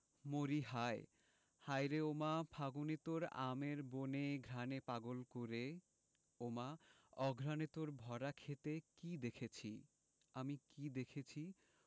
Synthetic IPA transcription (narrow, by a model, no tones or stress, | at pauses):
moɾiɦae | hajɾeomapʰaɡonet̪oɾa̰meɾboneɡʱɾanepaɡolkoɾe | oma | ɔɡʱɾanet̪oɾbʱɔɾakʰet̪ekid̪ekʰet͡ɕʰi | amikid̪ekʰet͡ɕʰi